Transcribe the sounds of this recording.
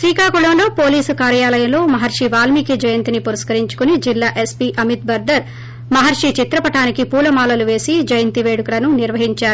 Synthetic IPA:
sɾiːkaːkuɭɐmlo̞ːpo̞ːliːsukaːɾjaːlɐjɐmlo̞ːmɐɦɐɾʂiʋaːlmikid͡ʒɐjɐnt̪inipuɾɐskɐɾiɲt͡ʃu̥kunid͡ʒilːaːʔe̞spiʔɐmit̪̚bɐɾd̪ɐɾ | mɐɦɐɾʂit͡ʃit̪ɾɐpɐʈaːnikipuːlɐmaːlɐluʋe̞ːsid͡ʒɐjɐnt̪iʋe̞ːɽukɾɐnuniɾʋɐɦiɲt͡ʃaːɾu

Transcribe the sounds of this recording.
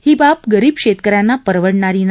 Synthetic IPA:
hiːbapɡəɾiːb̚kɕet̪kəɾjanːapəɾʋəɽɳaɾiːn

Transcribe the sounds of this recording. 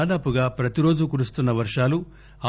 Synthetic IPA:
d̪aːpuɡaːpɾɐt̪iɾo̞ːd͡ʒukuɾust̪unːɐʋɐɾʂaːlu | a

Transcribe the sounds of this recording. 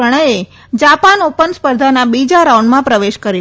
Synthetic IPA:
əɽ̃əje | d͡ʒapanopənspəɾd̪ʱanabid͡ʒaɾauɳɖmãpɾəʋeʃkəɾi

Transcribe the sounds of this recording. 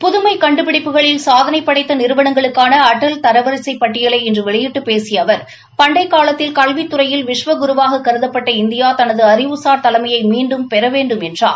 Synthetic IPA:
pʊðʊmɐɪkɐɳɖɯpɪɽɪpːɯɣɐɭɪlsaːðɐnɐɪpːɐɽɐɪt̪ːɐnɪɾɯʋɐɳɐŋɡɐɭɯkːaːnɐːʈːɐlt̪ɐɾɐʋɐɾɪsɐɪpːɐʈːɪjɐlɐɪɛndrɯʋɛɭɐjɪʈːɯpeːsɪjɐʋɐɾ | pɐɳɖɐɪkːaːlɐt̪ːɪlkɐlʋit̪ːʊɾɐjɪlʋɪʂʋɐɡʊɾʊʋaːɣɐkːɐɾɯðɐpːɐʈːɐɪnd̪ɪjaːt̪ɐnɐðɯɐɾɪʋɯsaːɾt̪ɐlɐmɐjɐɪmiːɳɖɯmpɛɾɐʋeːɳɖɯmɛndra̰ːɭ

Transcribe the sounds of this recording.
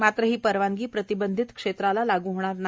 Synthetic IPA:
mat̪ɾəɦiːpəɾʋaŋɡiːpɾət̪ibənd̪ʱit̪kʂet̪ɾalalaɡuːɦoɽ̃aɾna

